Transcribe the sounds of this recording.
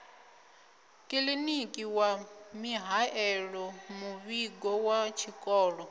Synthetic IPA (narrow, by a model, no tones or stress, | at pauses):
kʼilinikʼiwamiɦaɛɺɔmuβiɡɔwat͡ʃʰikʼɔːɺɔ